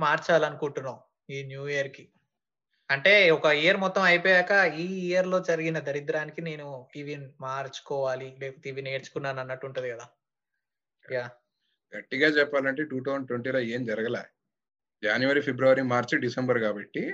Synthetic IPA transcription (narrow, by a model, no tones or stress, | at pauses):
maːɾt͡ʃaːlɐnukuɳʈunːaː | iːnjuːijɐɾki | ɐɳʈe̞ːɔkɐijɐɾmɔt̪ːɐmɐjpɔːjaːkɐiːijɐɾlo̞ːd͡ʒɐɾiɡinɐd̪ɐɾid̪ɾaːnikine̞ːnuiʋinmaːɾt͡ʃu̥kɔːʋaːlileːpɐt̪iːʋine̞ːɾt͡ʃu̥kunːaːnɐnːɐʈːuɳʈund̪iɡɐd̪aː | jaː | ɡɐʈːiɡaːt͡ʃɛpːaːlɐɳʈe̞ːʈuːt̪̬ɐsɳɖʈweɳʈiːloːeːmd͡ʒɐɾɐɡɐla̰ː | d͡ʒaːnjuʋɐɾipʰebɾuʋɐɾimaːɾt͡ʃuɖisɐmbɐɾkaːbɐʈːi